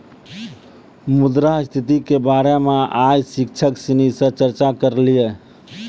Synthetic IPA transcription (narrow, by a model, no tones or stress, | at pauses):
mud̪ɾast̪ʰit̪ikebaɾemeajsik̚t͡ʃʰəksinisəɾt͡ʃəɾt͡ʃakəɾlijɛ